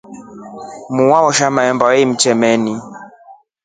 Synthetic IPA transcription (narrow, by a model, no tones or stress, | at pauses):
muwawɔʃamajɔmbawɛim̩t͡ʃɛmɛni